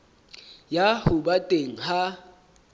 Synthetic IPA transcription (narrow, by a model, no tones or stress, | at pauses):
jahʊɓatʼeŋ̩ha